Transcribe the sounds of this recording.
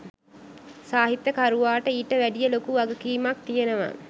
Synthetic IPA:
saːɦit̪ːəkaɾuʋaːʈəiːʈəʋæɖijəlokuʋaɡəkiːmak̚t̪ijenəʋa̰

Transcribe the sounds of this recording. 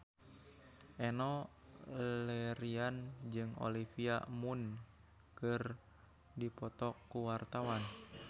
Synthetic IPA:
ʔɛnɔ | lɛɾiand͡ʒɨŋo̰lifia̰mun | kɨr | dipɔt̪ɔkːuwart̪awan

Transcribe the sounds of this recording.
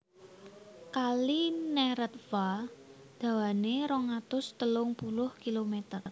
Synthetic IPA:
kalinɛɾət̪̚fa | d̪̥ä̤waneɾɔŋat̪ʊst̪əlʊŋpulʊhkilomet̪ər

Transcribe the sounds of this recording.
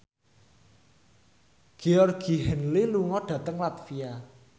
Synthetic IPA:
ɡ̥eɔrɡ̥i̤ɦɛnliluŋɔɖ̥ä̤t̪əŋlat̪fia

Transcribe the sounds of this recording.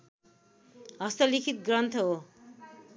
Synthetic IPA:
ɦʌst̪ʌlikʰit̪̚ɡrʌnt̪ʰɦo

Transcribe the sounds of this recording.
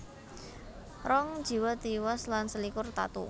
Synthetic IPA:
rɔŋ̥ʒ̥i̤wɔt̪iwɔslansəlikʊrt̪a̰t̪ṵ

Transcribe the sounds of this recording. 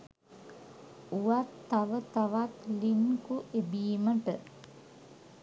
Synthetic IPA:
uʋat̪ːaʋət̪aʋat̪liŋkuʔebiːməʈə

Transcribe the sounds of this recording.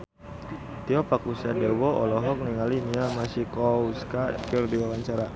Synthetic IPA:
t̪iɔpakusiadewɔɔ̰lɔɦɔk̚niŋaliniamasikɔuskakɪrdiwawaɲt͡ʃaɾa

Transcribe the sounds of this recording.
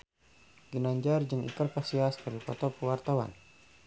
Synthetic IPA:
ɡinaɲd͡ʒard͡ʒəŋḭkərkasiaskaɾipɔt̪ɔpəwart̪awa̰n

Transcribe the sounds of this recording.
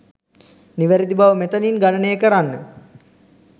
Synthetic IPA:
niʋæɾid̪ibaʋəmet̪əninɡanənəjəkəɾanːə

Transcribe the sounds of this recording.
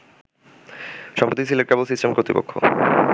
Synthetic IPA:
ʃɔmpɾot̪isileɾkebelsisʈemkɾot̪ipo̰kʰːo̰

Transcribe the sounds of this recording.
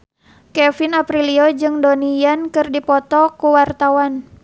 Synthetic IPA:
kɛfinapɾiliod͡ʒɨŋdonijankɨrdipɔt̪ɔkuwart̪awan

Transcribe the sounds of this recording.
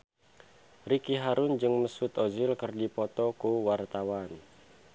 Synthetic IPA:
rikiɦaɾʊnd͡ʒɨŋməsut̪ɔzɪlkərdipɔt̪ɔkuwart̪awan

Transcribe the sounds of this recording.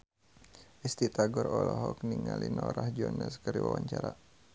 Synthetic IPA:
ʔist̪it̪aɡɔɾɔlɔɦɔk̚niŋalinɔɾahd͡ʒɔnɛskəɾiwawaɲt͡ʃaɾa

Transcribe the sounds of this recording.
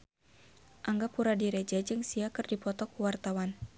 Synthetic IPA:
ʔaŋɡapuɾadiɾɛd͡ʒɛd͡ʒɨŋsiakɨrdipɔt̪ɔkuwart̪awan

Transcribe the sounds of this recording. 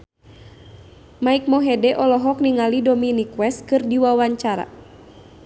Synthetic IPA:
maik̚mɔɦɛdɛʔɔlɔɦɔkniŋalidɔminikwɛst̪̚kɨrdiwawaɲt͡ʃaɾa̰

